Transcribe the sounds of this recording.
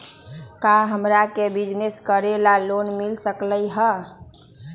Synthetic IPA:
kaɦəmɾakebid͡ʒneskəɾelalonmilsəkləjɦə

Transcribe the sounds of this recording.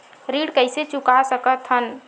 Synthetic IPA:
ɾiɽkəɪset͡ʃukasəkət̪ʰɦən

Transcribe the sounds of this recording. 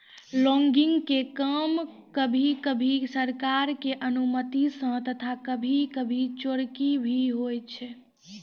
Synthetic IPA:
lɔŋɡiŋɡkekəm | kəbʱikəbʱisəɾkaɾkeʔənumət̪isə̃t̪ət̪ʰakəbʱikəbʱit͡ʃoɽkibʱiɦojt͡ʃʰɛ

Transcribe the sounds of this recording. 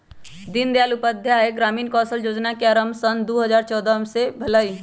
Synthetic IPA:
d̪ɪnd̪jaːlʊpəd̪ʱjaeɡɾaːmiːnkɔːsəljoːd͡ʒnakeaːɾəmsənd̪oːɦəzaːɾt͡ʃɔːd̪amsebʱɐlai

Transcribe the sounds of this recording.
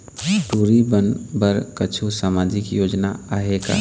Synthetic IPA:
ʈuːɾibənbəɾkət͡ʃʰusaːmaːd͡ʒikjoːd͡ʒnaaːɦeka̰

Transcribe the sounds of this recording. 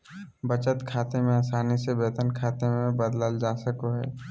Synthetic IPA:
bət͡ʃət̪kʰaːt̪emẽaːsaːnisebeːt̪ənkʰaːt̪emẽbəd̪ləld͡ʒaːsəkoɦɛ̰ː

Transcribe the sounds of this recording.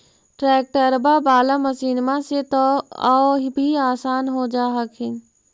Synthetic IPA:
ʈɾɛːk̚ʈəɾbabaːlaməsiːnmãset̪ɔaɦbʱiaːsaːnɦod͡ʒaːɦəkɦɪnɪ̆

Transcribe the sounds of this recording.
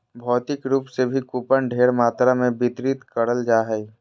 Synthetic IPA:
bʱɔːt̪ɪkɾuːpsebʱikuːpəɳɖʱeːɾmaːt̪ɾamẽbɪt̪ɾit̪kəɽəld͡ʒaːɦɛ

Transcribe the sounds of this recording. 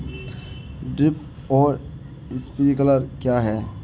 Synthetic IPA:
ɖɾɪp | ɔːɾ | ɪspiɾikɐləɾkjaɦɛː

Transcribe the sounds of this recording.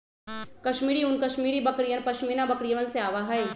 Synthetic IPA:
kɐʃmiːɾiʊnkɐʃmiːɾibɐkɾijənpɐʃmiːnabɐkɾijɐʋənseaːʋaɦɐe

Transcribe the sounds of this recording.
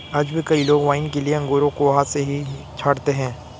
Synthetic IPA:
ɐd͡ʒbʱikɐiloːɡʋaːɪnkelieɐ̃ŋɡoːɾõkoʋɐɦaseɦit͡ʃʰaːɽt̪eɦɛ̃ː

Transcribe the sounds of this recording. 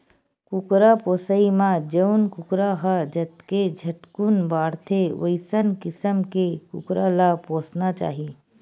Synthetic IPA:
kukɾapoːsəimãd͡ʒəʊnkʊkɾaɦad͡ʒət̪ked͡ʒʱəʈkunbaːɽt̪ʰeʋə̰ɪsənkɪsəmkekʊkɾalapoːsnat͡ʃa̰ːɦi

